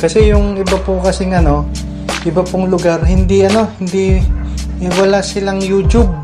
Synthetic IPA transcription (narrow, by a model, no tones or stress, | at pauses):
kɐsɛjʊŋʔɪbapokɐsɪŋɐno̞ | ʔɪbɐpoŋlʊɡaɾhɪnd̪iʔɐno̞hɪnd̪i | wɐlasɪlaŋjut͡ʃʊb̚